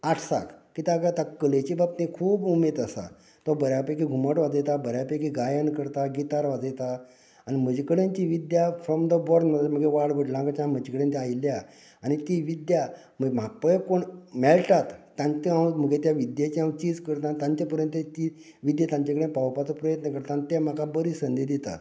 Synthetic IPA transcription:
aʈʰsa̰kkit̪akt̪akəlet͡ɕibab̚t̪ẽkʰuːbumed̪əsa̰ | t̪ɔbəɾjapekiɡʱuməʈʋad͡zəjt̪abəɾjapekiɡajankəɾt̪aɡit̪aɾʋad͡zəjt̪a | anim̤əd͡ʑikəɽent̪iʋid̪jafɾɔmd̪əbɔɾnməd̪m̤əɡeʋaɽʋəɽlãŋɡat͡ɕãm̤əd͡ʑikəɽent̪ɛailja | anit̪iʋid̪ja | m̤əɡem̤aɡ̚pəjəkoɳmɛlʈat̪ːãɲt͡ɕ̪iãm̤əɡet̪jaʋid̪jat͡ɕiɦãwt͡ɕiːd͡zkəɾt̪ãt̪ãɲt͡ɕapəɾjənt̪ət̪i | ʋid̪jat̪ãɲt͡ɕakəɽẽpaʋwpat͡səpɾəjət̪nəkəɾt̪anit̪ɛm̤akabəɾisənd̪ed̪it̪a̰

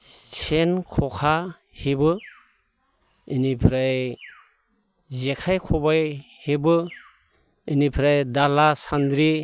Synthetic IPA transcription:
senkʰɔkʰa | hibɯ | inipʰɾaj | zekʰajkʰɔbaj | hibɯ | inipʰɾajdalasand̪ɾi

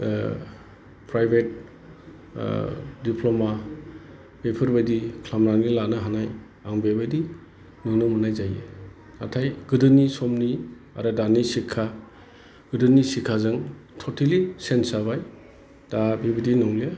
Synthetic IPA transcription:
pɾajbʱet̚ | dipʰloma | bepʰɯɾbajdikʰlamɾanilanɯɦanaj | aŋbebajdi | nɯŋnɔmunajzajḛ | na̰tʰajɡɯdɯnisɔmni | a̰ɾɯdanisikʰa | ɡ̥ɯdɯnisikʰazɯŋtʰɔtʰelisensaβaj | d̥abibadinɔŋlia

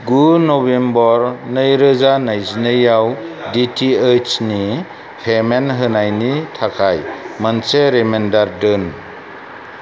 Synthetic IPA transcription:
ɡunɔbembɔɾnɯjɾɯzanajzinɯjawditʰiet͡ʃni | pʰemenɦɯnajnitʰakʰajmanseɾemendaɾdɯn

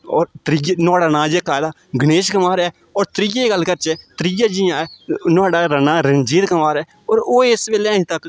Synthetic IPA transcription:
ɔːɾt̪ɾijnaːɖaːnãːd͡ʒeːkaːjd̪aː | ɡəneːʃkəmaːɾɛː | ɔːɾt̪ɾijeːɡəlːkəɾt͡ʃɛːt̪ɾijaːd͡ʒɪjãːɛːnʊaːɖaːɾənaːɾənd͡ʒiːd̪kəmaːɾɛː | ɔːɾoːɪsʋeːleːəĩːt̪ək

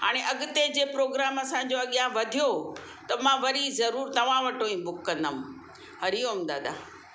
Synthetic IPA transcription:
ɦa̰ːɽ̃eʔɐɠɪt̪ed͡ʑeːpɾoːɡɾaːmɐsã̆d͡ʑoɐɠjãʋɐd̪ʱijo | t̪ɐmãʋɐɾizɐɾuːɾt̪ɐʋ̤ãʋɐʈoːĩbʊkːɐ̃nd̪əm̃ | ɦɐɾiomd̪a̰ːd̪a̰ː

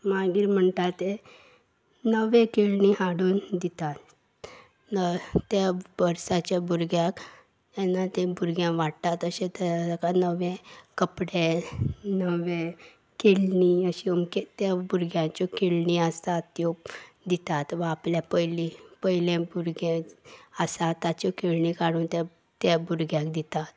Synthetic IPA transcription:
maɡiːɾm̤əɳt̪at̪ːe | nəʋẽkelniɦaɽuːnd̪it̪at̪ | nət̪jabəɾsat͡ɕjabuɾɡjak | t̪anːat̪ẽbʱuɾɡjãʋaɽt̪at̪əɕẽt̪əd͡zakanəʋẽkəpɽẽ | nəʋẽ | kelniəɕiomket̪jabuɾɡjãt͡ɕɔkelniəst̪at̪jo | d̪it̪at̪ʋãːpljapəjlipəjilẽbuɾɡɛ̃əsat̪at͡ɕɔkelɳikaɽuːnt̪ɛ | t̪jabuɾɡjãkd̪it̪at̪

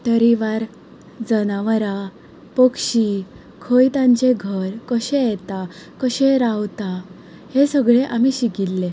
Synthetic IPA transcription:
t̪əɾiʋaɾ | d͡zənaʋɾa | pəkɕi | kʰəjt̪ãɲt͡ɕeɡʱəɾkəɕẽjɛt̪akəɕeɾawt̪a | hesəɡɭeʔamiɕiɡilːe

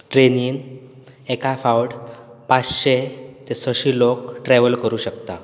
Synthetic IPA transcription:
ʈɾeniːn | ekafawɽ | pat͡sɕet̪esəɕiːlokʈɾɛʋəlkəɾuːɕəkt̪a

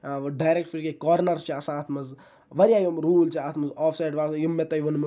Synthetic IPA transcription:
ɖaːjɾek̚ʈfiɾkekɔːɾnɐɾst͡ʃiɐsãːt̪ʰmɐz | ʋɐɾjaːjomɾuːlt͡ʃʰiaːt̪ʰmɐzɔːfsajɖʋaːsjimːet̪ɐjʋɐnmɐ

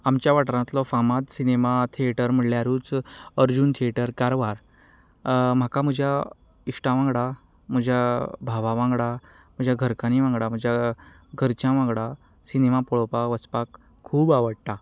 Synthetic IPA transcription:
amt͡ɕjaʋaʈɾãt̪lɔfamat̪sinemat̪ʰieʈəɾm̤əɽljaɾuːt͡səɾd͡ʑuːnt̪ʰieʈəɾkaɾʋaɾ | m̤akam̤əd͡ʑʱja | iʂʈãʋãŋɡɽa | m̤əd͡ʑʱjabʱaʋaʋãŋɡɽa | m̤əd͡ʑʱjaɡʱəɾkaniʋãŋɡɽam̤əd͡ʑʱja | ɡʱəɾt͡ɕjãʋãŋɡɽa | sinemapɔɭɔpaʋəspakʰː | uːbaʋəɽt̪a

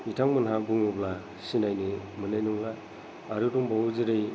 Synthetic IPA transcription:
itʰaŋmɯnɦabuŋubla | sinajnɯ | mɯnajnuŋlaː | ɾɯduŋbawuziɾej

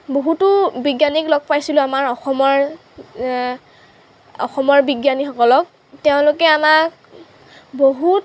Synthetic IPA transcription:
boɦutʊbiɡjaniklɔɡ̚pajsilʊamaɹɔxɔmɔɹ | ɔ̰xɔmɔɹbiɡjanixɔkɔlɔk̚ | teʊ̃lʊkɛamak | boɦut

